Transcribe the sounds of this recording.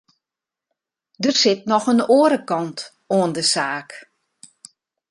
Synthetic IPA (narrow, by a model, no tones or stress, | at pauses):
dərsɪt̚nɔxənoːəɾəkɑnt | oəndəsaːk